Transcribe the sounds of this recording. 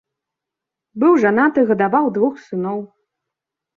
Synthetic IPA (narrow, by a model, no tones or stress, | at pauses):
bɨwʐanat̪ɨɣɐd̪avawd̪vuxsɨnɔw